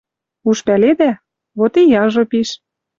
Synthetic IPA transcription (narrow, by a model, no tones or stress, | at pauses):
uʃpæled̪æ | βot̪ijɑʒopiʃ